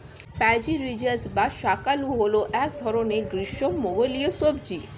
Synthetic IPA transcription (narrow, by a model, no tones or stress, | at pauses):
pɛd͡ʑiɾid͡ʑaɾsbaʃakaluɦoloʔɛk̚d̪ʱɔɾoneɡɾiʃomoɡoliosobd͡ʑi